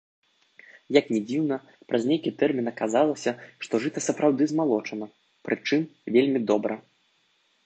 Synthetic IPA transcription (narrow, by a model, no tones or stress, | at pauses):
jɐknʲɛd͡zʲiwnɐ | pɾʔɐzʲnʲejkʲit̪ɛrmʲinɐkazalˠɐsʲɐʂt̪ɔʐɨt̪ɐsɐpɾawd̪ɨzmalˠɔt͡ʂɐnɐ | pɾɨt͡ʂɨmvʲelʲmʲid̪ɔbɾɐ